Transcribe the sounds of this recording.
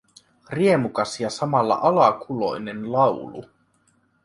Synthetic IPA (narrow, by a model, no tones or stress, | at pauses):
rie̞mukɑsjɑsɑmɑlːɑ̰ʔɑlɑkʰulo̞̰jnenlɑwlṵ